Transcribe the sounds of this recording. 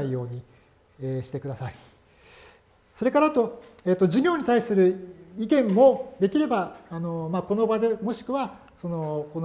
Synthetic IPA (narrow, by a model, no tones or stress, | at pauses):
ijo̞ːɲ̟i | eɕi̥t̪e̞kɯd̪asai | so̞ɾe̞kaɾat̪o̞e̞ːt̪ːo̞ʑiɡʲo̞ːɲ̟it̪aisɨɾɯ̟ikẽ̞mːo̞d̪e̞kʲiɾe̞baːno̞mako̞no̞bad̪e̞mo̞ɕi̥kɯ̟βa | so̞no̞ko̞n